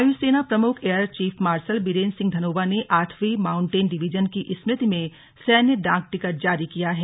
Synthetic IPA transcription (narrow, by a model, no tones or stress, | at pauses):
juseːnapɾɐmʊkʰeːəɾt͡ʃiːpʰmaːɾsəlbiɾeːnsɪ̃ŋɡd̪ʱɐnoːbaneʔaːʈʰʋimãːʊ̃ɳʈeːnɖɪʋid͡ʒənkiʔɪsmɾɪt̪imẽ | sɛːnjəɖãːŋk̚ʈɪkəɾ̚d͡ʒaːɾikijaɦɛː